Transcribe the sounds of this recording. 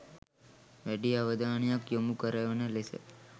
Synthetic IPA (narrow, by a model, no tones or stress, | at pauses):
ʋɛɖiaʋəd̪ʱaɳ̃ijakjomukəɾajonelesḛ